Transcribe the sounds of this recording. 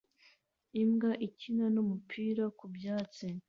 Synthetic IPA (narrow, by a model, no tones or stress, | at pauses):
imɡaʔicinanumupʰiːɾakubjaːt͡si